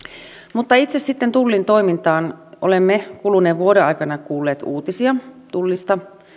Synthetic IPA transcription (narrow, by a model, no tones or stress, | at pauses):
mut̪ːɑit̪sessit̪ːent̪ulːint̪o̞imint̪ɑːnʔo̰lemːekuluneːʋʋuoɾeɑ̰ikɑnɑkuːlːeːt̪uːt̪isiɑt̪ulːist̪ɑ